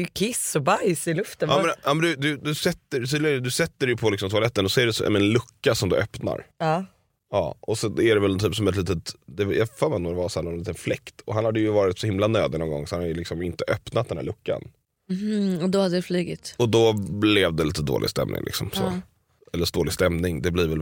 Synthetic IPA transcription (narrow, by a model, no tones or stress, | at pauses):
jkʰɪsːɔbajsɪlɵft̪ənɑːmɛnjɑːmɛnd̪d̪ɵd̪ɵsɛt̪ːəɾt̪ʰyːd̪lɪd̪ɵsɛt̪ːəɾɛjɵpʰɔlɪksɔmt̪ʰʊalɛt̪ːənɔsɔɛɖɛsɔ̰mɛnlɵkːasɔmd̪ɵʔœpna̰ɾɑː | ɑ̰ːʔɔsɛæɖɛvɛlt̪ʰyːpsɔmɛt̪liːt̪ət̪d̪ɛjʔafœːɾmɛnɔmd̪ɛvashæːnɔniːt̪ənflɛkt̪ɔhanhad̪ːəjɵvɑːɾɪt̪sɔhɪmlanøːd̪nɔnɡɔ̰ŋːsɔ̥hanhad̪jəlɪksɔmɪnt̪əʔœpnat̪d̪ɛnhæ̰ɭkːa̰n | m̩h̩ɔd̪ɔhad̪ːədɛflyːɡɪ̰t̪ɔd̪ɔblɛvd̪ɛliːt̪əd̪o̰ːlɪ̰st̪ɛ̰mnɪ̰ŋlɪ̰ksɔ̰mso̰ː | ɛlːəʂd̪oːlɪɡst̪ɛmnɪŋd̪ɛbliːɾvɛl